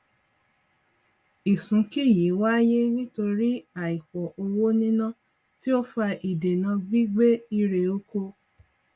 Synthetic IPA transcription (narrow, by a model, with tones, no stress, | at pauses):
i˨sũ˨˦ki˦˨ji˨˦wa˦je˦nĩ˦to˧ɾi˦a˦˨i˨kɔ˨ʔo˧wo˦nĩ˦nã˦ | ti˦o˦fa˧ʔi˨de˨nã˧ɡ͡bi˦ɡ͡be˦i˦ɾe˨o˦ko˧